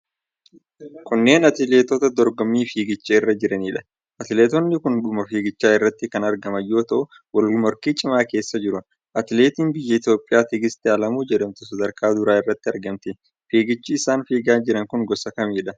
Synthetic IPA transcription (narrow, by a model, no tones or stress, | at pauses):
kʊnːe̞ːnɐt̪ɪleːt̪ɔt̪ɐd̪ɔɾɡɔmːiːfiːɡɪt͡ʃːɛɪrːɐd͡ʒɪɾɐniːᶑɐ̥ | ʔɐt̪ɪleːt̪ɔnːɪkʊnɗʊmɐfiːɡɪt͡ʃːaːɪrːɐt̪ːɪkɐnɐɾɡɐmɐjːo̞ːt̪ɐʔʊ | wɐlmɔɾkiːt͡ʃʼɪmaːke̞ːsːɐd͡ʒɪɾʊ | ʔɐt̪ɪleːt̪iːnbɪjːɐɪt̪jo̞ːpʼːɪjaːt̪ɪɡɪst̪ɪɐlɐmuːd͡ʒɛᶑɐmt̪ʊsɐd̪ɐɾkʰaːd̪ʊɾaːɪrːɐt̪ːɪɐɾɡɐmt̪ɪ | fiːɡɪt͡ʃːɪːsaːnfiːɡaːnd͡ʒɪɾɐŋkʊŋɡɔsɐkɐmiːᶑɐ